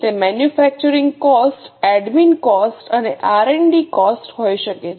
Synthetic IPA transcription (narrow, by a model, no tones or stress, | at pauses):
t̪emɛnjufɛk̚t͡ʃuɾĩŋɡkɔsʈɛɖminkɔsʈəneʔaɾeɳɖikɔsʈɦojʃəke